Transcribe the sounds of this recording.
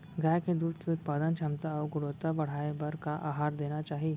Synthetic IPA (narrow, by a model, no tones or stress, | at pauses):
ɡʱaːjked̪uːd̪keʊt̪̚paːd̪ənt͡ʃʰɐmt̪aɔːɾɡʊɽoːt̪abɐɽ̤aːebɐɾkaʔaːɦaːɾd̪eːnat͡ʃaːɦieː